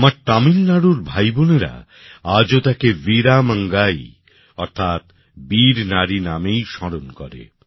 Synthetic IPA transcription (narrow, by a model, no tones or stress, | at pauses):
amaɾt̪amilnaɽuɾbʱajboneɾa̰ | ad͡ʑot̪akeviɾaməŋɡaj | ɔɾt̪ʰat̪ | biɾnaɾinamejʃɔɾonkɔɾḛ